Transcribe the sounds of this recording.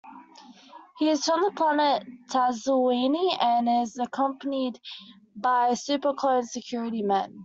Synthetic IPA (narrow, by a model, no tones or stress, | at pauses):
hiɪz̥ə̃nðəpʰl̥anəttʰæzəĩniə̃nɪzəkʰʌ̃mpənid | baɪsʉˑpəkʰl̥ə̃ʊ̃nsəkʰj̥ɔɹəɾimæ̃n